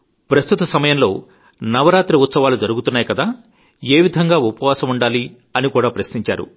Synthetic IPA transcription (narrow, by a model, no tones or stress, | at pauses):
pɾɐst̪ut̪ɐsɐmɐjɐmlo̞̰ː | nɐʋɐɾaːt̪ɾiut̪sɐʋaːlud͡ʒɐɾuɡut̪unːaːjkɐd̪aː | eːʋid̪ʱɐŋɡaːupɐʋaːsɐmuɳɖaːli | ɐnikuːɽaːpɾɐsniɲt͡ʃa̰ːɾṵ